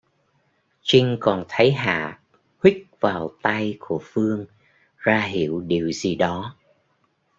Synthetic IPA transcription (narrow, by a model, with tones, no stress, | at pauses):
t͡ɕï˧ŋ̟kɔ˨˩nt̪ʰə˨˦jɦa̰ː˧˨ | hwï˦˥k̚vaː˨˩wt̪a˧jku˧˩əfɨ˧əŋ | zaː˧ɦḭ˧˨əwɗi˨˩əwzi˨˩ɗɔ˨˦